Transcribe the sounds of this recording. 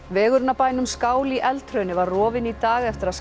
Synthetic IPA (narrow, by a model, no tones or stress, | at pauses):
vɛːɣʏɾnapaːjnʏmskaːwliʔɛlt̪ʰɾœɥjnɪvaɾrɔːvɪnit̪aːɣɛft̪ɪɾaðs